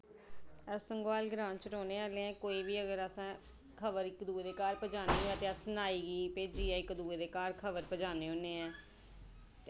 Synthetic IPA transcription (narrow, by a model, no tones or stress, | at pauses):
əsəŋɡwaːlɡɾãːnt͡ʃəɾoːneːaːlẽːɛ̃ːkoːiːʋiːəɡəɾəsãː | kʰəʋəɾɪkd̪uːeːd̪eːkaːɾpəd͡ʒaːneːɛt̪ẽːəsnaːiːɡiːpeːd͡ʒiːɛːɪkd̪uːeːd̪eːkaːɾkʰəʋəɾpəd͡ʒaːneːɦõːneːɛ̃ː